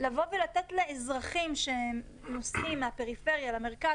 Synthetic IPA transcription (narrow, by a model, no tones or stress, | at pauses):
lavo̞velat̪et̪leezʁaχimʃe | nosimːeape̞ʁife̞ʁjalame̞ʁka